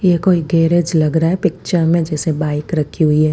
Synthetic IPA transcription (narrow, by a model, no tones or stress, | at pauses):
jekoːiɡɛːɾed͡ʒlɐɡɾaɦɛpɪk̚t͡ʃəɾmẽd͡ʒɛːsebaːɪkɾɐkʰiɦʊiɦɛː